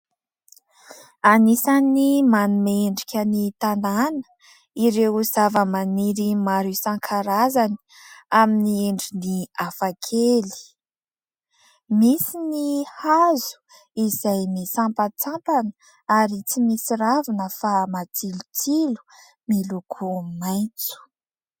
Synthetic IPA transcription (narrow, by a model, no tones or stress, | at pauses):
anisanimanumeɳɖ͡ʐikʲənit̪ananə̥ | iɾewz̥avəmaniɾimaɾisaŋkʰaɾazani̥ | aminieɳɖ͡ʐiniafakʰeli̥ | misinihazu̥ | izajmisampat͡sampanə̥ | aɾit͡simisiɾavinəfamat͡silut͡silu̥ | milukʰumajt͡su̥